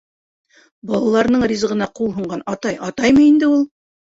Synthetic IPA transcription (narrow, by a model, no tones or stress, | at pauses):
bɑlˠɑlˠɑɾnɤɴrʲiz̆ʁɤ̆nɑqulˠɦŭɴɢɑnɑt̪ɑjʔɑt̪ɑjmɤind̪ɘulˠ